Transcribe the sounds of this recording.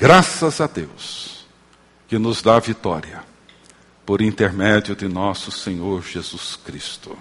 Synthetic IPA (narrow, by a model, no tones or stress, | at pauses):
ɡ̥ɾasɐzɐd̪ews | kɪnʊzd̪avit̪ɔɾiɐ | poɾĩnt̪eɾmɛd͡ʒʊd̪ɪnɔsʊsẽɲoɾʒezuskɾḭst̪ʊ